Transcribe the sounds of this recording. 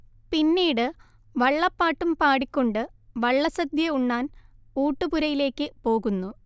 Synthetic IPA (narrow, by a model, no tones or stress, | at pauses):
pinːiːɽɨ | ʋɐɭːɐpːaːʈːumpaːɽikʲːo̞ɳɖɨʋɐɭːɐsɐd̪jɐuɳːaːnuːʈːɨpuɾɐjile̞ːkːɨpo̞ːɣunːu